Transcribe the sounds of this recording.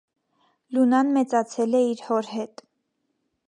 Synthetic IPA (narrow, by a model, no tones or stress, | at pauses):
lunɑnmɛt͡sɑt͡sʰɛlɛiɾhɔɾɦɛt̪